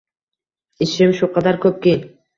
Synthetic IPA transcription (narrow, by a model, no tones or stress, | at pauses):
ɪʃɪmʃʊqʰɑd̪aɾkʰɵp̚kʲi